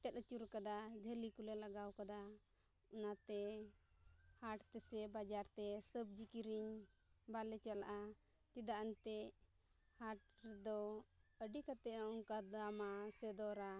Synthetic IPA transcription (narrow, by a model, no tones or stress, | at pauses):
ʈɛt̪̚ət͡ʃuɾkad̪ad͡ʒʱəlikulɛlaɡawkad̪a | ɔnat̪ɛ | haʈt̪ɛsɛbad͡ʒaɾt̪ɛsəb̚d͡ʒikiɾiɲ | balɛt͡ʃala̰ʔa | t͡ʃid̪aʔaɲt̪ɛ | haʈ̚ɾɛd̪ɔəɖikat̪ɛauŋkad̪amasɛd̪ɔɾa